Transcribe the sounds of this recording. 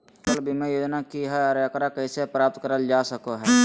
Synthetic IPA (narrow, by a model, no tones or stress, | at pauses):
kəlbʱimɛ̃joːd͡ʒnakiɦɛɔːɾəkɾakəisepɾaːp̚t̪kəɾəld͡ʒaːsəkoɦɛɛː